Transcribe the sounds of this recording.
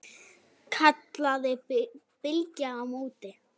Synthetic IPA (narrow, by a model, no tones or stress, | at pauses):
kʰat̪laðɪ | pɪlcaːmoːwt̪ɪ